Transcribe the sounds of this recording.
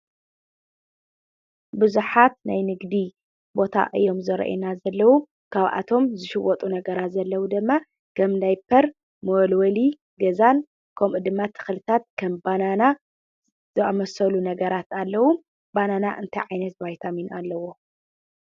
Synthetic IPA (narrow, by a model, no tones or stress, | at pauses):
bɨzuħat̪najnɨɡd̪i | bo̞t̪ʰa̰ʔɨjːo̞mzɐɾɐ̰ʔḛnazɐlːɐwu | kʰaβʔa̰t̪ʰo̞mzɨʃɪwɔt̪ʼunɐɡɐɾat̪zɐlːɐwud̪ɨmːa | kɐmdajpʰɐɾ | molwɐli | ɡɐzan | kʰomɨd̪ɨmːat̪ʰːɨ̥xlɨt̪ʰat̪̚kʰɐmbanana | zɨamɐsɐlunɐɡɐɾat̪alːɐwum | banana̰ʔɨnt̪ʰajʕajnɐt̪bajt̪ʰaminalːɐwo